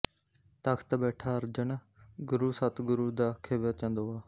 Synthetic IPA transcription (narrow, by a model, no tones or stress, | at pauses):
t̪əkʰt̪aːbɛːʈʰaːəɾd͡ʒəɳ | ɡʊɾuːsət̪ʰɡʊɾuːd̪aːkʰeːʋoːt̪jãːnd̪oːaː